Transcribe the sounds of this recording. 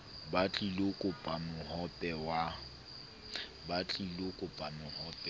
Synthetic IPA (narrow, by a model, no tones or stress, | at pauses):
bat͡ɬʼilokʼʊpʼamʊhɔpʼɛwa | bat͡ɬʼilokʼʊpʼamʊhɔpʼɛ